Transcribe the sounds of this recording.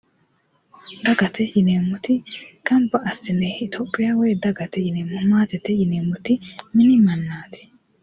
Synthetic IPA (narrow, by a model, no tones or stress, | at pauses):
d̪ɐɡɐt̪ʰɛjɪneːmːʊt̪ɪkɐmbɐʔɐsɪnɛɪt̪ʰoːpʼːɪjaweːd̪ɐɡɐt̪ɛjɪneːmːʊmaːt̪ɛt̪ɛjɪneːmʊt̪ɪmɪnɪmɐnːaːt̪ʰɪ̥